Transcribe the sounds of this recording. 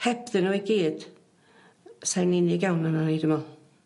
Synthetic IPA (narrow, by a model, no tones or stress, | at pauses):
hɛbðɨnuiɡiːd̥ | sajnɪnɪɡjawnananejdəmɔ